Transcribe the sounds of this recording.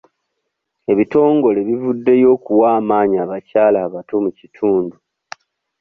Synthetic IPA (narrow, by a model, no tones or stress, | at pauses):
e̞βito̞ːŋɡo̞le̞βivudːe̞jo̞ːkuwaːmaːɲaːβacaːlaːβato̞mucitʰuːndu